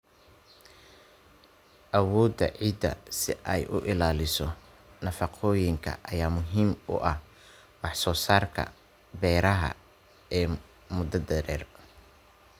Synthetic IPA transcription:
ʔɐwɔːd̪ɐ̰ʕiːd̪ɐ̰sɪʔɛjʔʊʔɪlaːlɪsɔ | nɐfɑqʰɔːjɪŋkʰɐ̰ʔɐjaːmʊɦiːmʊ̰ʔɐh | mɑħsɔːsaːrkʰɐ̰ | bɛːɾɐɦɐ̰ | ɛː | mʊd̪ɐd̪ɛɾɛːr

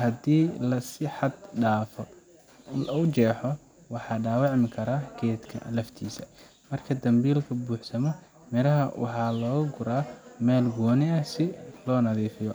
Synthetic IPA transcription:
hɐd̪iːlɐsɪħɑd̪ɖaːfɔ | lɐʊt͡ʃɛːħɔ | wɑħɑːɖaːwɑʕmɪkʰɐɾaːɡɛːd̪kʰɐ̰lɐft̪ʰiːsɐ | mɐrkʰɐd̪ɐmbiːlkʰɐbuːħsɐmɔ | mɛɾɐɦɐwʔɑ̰ħɑːlɔːɣɐɡʊɾaːmɛːlɡɔːnɪɐsɪlɔːnɐðiːfɪjɔ

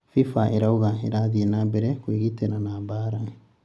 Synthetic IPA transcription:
fifaʔeɾauɣaeɾaðienabɛɾekwiɣiteɾanabaːɾaŋi

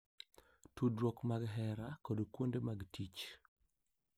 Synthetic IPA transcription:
tudɾwɔkmaɡɦɛɾakodkwondemaɡtit͡ʃ

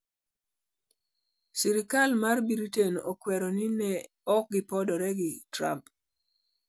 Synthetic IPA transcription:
siɾikalmarbiɾiteno̰kwɛɾɔnɪnɛ | ɔk̚ɡɪpɔdɔɾɛɡɪtɾa̰mp

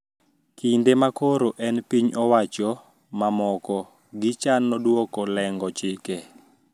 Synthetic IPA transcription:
kindemakoɾoʔɛnpiɲɔwat͡ʃɔ | mamɔkɔ | ɡɪt͡ʃanːɔdwɔkɔlɛŋɡɔt͡ʃɪke

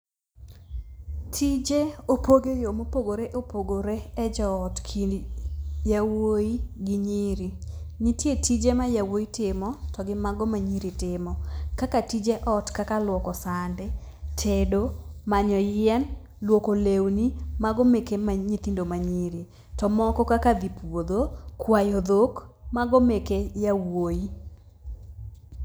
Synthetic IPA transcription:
tʰid͡ʒeopoɡejomopoɡoɾeʔopoɡoɾeɛd͡ʒɔːtkʰidjawoiɡɪɲiɾiɲitjetid͡ʒemajawoitɪmɔtɔɡɪmaɡɔmaɲiɾitɪmɔkakatid͡ʒeʔɔtkakalwɔkɔsandɛtʰedomaɲɔjɪɛn | lwokolewnimaɡomekemaɲit̪indomaɲiɾi | tɔmɔkɔkakad̪ipwod̪okwajod̪okmaɡomekejawoi

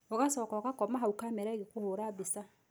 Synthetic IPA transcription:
ɔɣasɔːkɔɣakɔmaɦaukamɛɾaeɣekohoːɾaːbesa

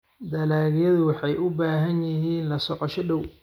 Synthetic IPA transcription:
d̪ɐlaːɣjɐðʊwɑħɑjʔʊbaːɦɐnjɪɦiːnlɐsɔqɐʃɔɗɔw

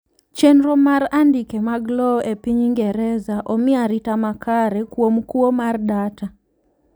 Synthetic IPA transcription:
t͡ʃenɾɔmaɾandikemaɡlɔʔepiɲiŋɡɛɾɛzaʔɔmɪaɾitamakaɾɛkwomkuomardata

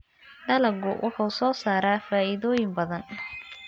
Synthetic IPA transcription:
ɖɐlɐɡʊwʔʊħuːsɔːsaːɾaːfaːʔɪðɔːjɪmbɐðɐn

